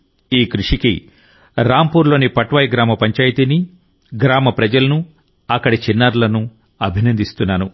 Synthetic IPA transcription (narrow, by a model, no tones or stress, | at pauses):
iːkɾuʂikḭ | ɾaːmpuːɾlo̞ːnipɐʈʋɐaːjɡɾaːmɐpɐɲt͡ʃaːjt̪ini | ɡɾaːmɐpɾɐd͡ʒɐlɐnu | ɐkːɐɽit͡ʃinːaːɾlɐnu | ɐbʱinɐnd̪ist̪unːaːnu